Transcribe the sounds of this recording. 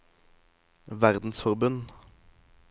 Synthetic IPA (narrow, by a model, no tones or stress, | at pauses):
ʋæʁd̪n̩sfɔʁbʉn